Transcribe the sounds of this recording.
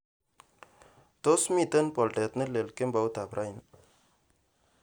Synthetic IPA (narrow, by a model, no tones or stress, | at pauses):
t̪osmit̪enpɔlʈɛt̪nelelkembawt̪apɾʔajn